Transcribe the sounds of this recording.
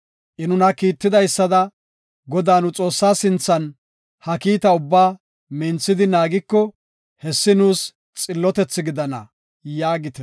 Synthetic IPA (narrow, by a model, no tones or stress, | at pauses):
ʔɪnʊnɐkiːt̪ːɪd̪ɐjsːɐd̪ɐ | ɡɔd̪aːnʊt͡sʼo̞ːsːaːsɪnt͡sːɐn | hɐkiːt̪ɐʊbːaː | mɪnt͡sːɪd̪ɪnaːɡɪkːɔ | hɛsːɪnuːs | t͡sʼɪlːɔt̪ɛt͡sːɪɡɪd̪ɐnɐ̰ | jaːɡɪt̪ɛ